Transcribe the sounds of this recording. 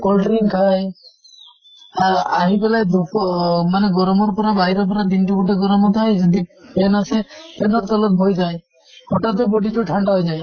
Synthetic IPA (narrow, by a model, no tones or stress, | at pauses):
kɔlʈɔɾiŋkʰaj | aaɦibelajd̪ukɔmaneɡɔɾɔmɔɾpɔɾabaɦiɾɔpɔɾat̪inʈikuʈeɡɔɾɔmɔt̪ʰajd͡ʒɔd̪ipenasepenɔɾt̪ɔlɔt̪̚ɦojd͡ʒaj | hɔʈat̪ebɔɖiʈuʈʰaɳɖaɦojd͡ʒaj